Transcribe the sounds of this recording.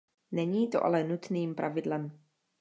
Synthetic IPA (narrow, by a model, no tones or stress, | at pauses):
nɛɲiːt̪o̞ʔa̰lɛnut̪niːmpɾʔavɪdlɛm